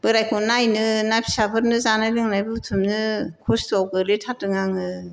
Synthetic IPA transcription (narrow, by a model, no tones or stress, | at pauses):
bɯɾajkʰonajnɯnapʰi̥sapʰɯɾnɯzanajlɯŋnajbɯutʰɯmnɯkʰostawɡɯletʰatɯŋaŋɯ